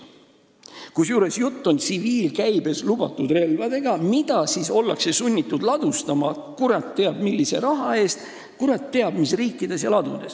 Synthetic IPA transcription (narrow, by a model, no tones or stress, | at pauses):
kusjuːɾe̞sjut̪ːo̞nt̪siviːlkæjbe̞slub̥ɑt̪ːˑud̪re̞lvɑd̪e̞ɡ̥ɑmid̪̥ɑsiso̞lːɑkse̞sunʲːit̪ːˑud̪lɑd̪̥ust̪ɑmɑ | kuɾɑt̪ːe̞ɑb̥milːise̞ɾɑɦɑe̞ːst̪ | kuɾɑt̪ːe̞ɑb̥misriːkːˑid̪̥e̞sjɑlɑd̪̥ṵd̪̥e̞s